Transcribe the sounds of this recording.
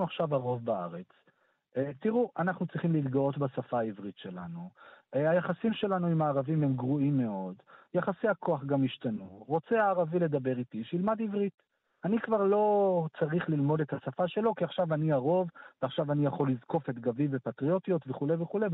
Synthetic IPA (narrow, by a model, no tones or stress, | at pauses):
uaχʃavaʁo̞vbaa̰ʁe̞t͡s | t̪iʁuʔanaχnut͡sʁiχimleitɡao̞tbasafaːivʁitʃe̞la̰nuajaχasimʃe̞lanuimaːʁavimhemɡʁuimːe̞o̞djaχasiakʰo̞aχɡamiʃtanuʁo̞t͡seaːʁavile̞d̪abe̞ʁitiʃeilmad̪ivʁit | anikvaʁlo̞t͡saʁiχlilmo̞de̞t̪hasafaʃe̞lo̞kiaχʃavaniaʁo̞vveaχʃavanijaχo̞lizko̞fet̪ɡavivepatʁio̞tijo̞t̪ve̞χuleveχule